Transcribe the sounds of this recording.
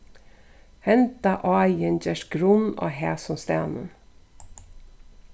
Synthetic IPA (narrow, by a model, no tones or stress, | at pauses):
hɛnt̪ɑʔɑjənd͡ʒɛʃɡɾʊno̰ːɦæːsɔnst̪æːnə̰n